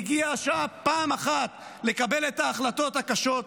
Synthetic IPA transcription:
ɡiaʃaapaːmaχat̪ | le̞kabe̞let̪aːχlato̞t̪hakaʃo̞t

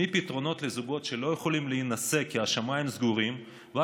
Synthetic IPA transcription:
ipit̪ʁo̞no̞t̪lezuɡo̞t̪ʃe̞lo̞jeχolimleinase̞kːiaʃamaimzɡuʁim | va

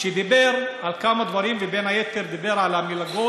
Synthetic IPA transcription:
ʃed̪ibeʁʕalkamad̪vaʁimvebenhajet̪eʁd̪ibeʁʕalamilaɡo

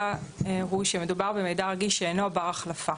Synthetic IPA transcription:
eʁujʃeme̞dubaʁbemejdaʁaɡiʃʃeenobaʁaχlafa

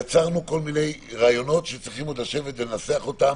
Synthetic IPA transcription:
at͡saʁnuko̞lmine̞jʁaːjo̞no̞tʃet͡sʁiχimledaʃe̞vetvelnaseaχo̞tam

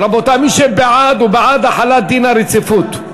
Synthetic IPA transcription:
ɾabot̪amiʃebeʕad̪ubeʕad̪aħalat̪̚d̪inaɾet͡sifut̪

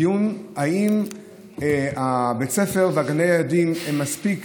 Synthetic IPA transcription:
junhaim | abet͡sefeʁveaɡanejajadimemːaspik

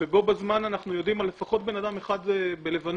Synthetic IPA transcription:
vebo̞bazmananaχnujo̞dimalːefaχo̞t̪̚be̞nadame̞χad̪bele̞van

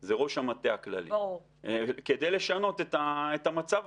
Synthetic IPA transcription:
zeʁo̞ʃamat̪eakla̰lḭ | ke̞d̪ejle̞ʃano̞t̪et̪aet̪amat͡sav

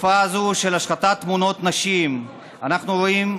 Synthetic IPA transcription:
fazuʃelaʃχat̪at̪ːmuno̞t̪naʃim | anaχnuʁoim

